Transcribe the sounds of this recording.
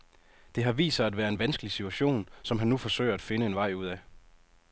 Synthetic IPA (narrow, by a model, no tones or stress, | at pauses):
d̥e̝ɦɑ̈ʋḭːsɐæd̥ʋæːɐe̝nʋænsɡ̥əlisit͡sʰuæɕo̝̰ːnsɒ̽mɦænːufɒ̽sø̰ɪɐæd̥fe̝nəenʋɑ̈ɪ̰uð̰ˠæ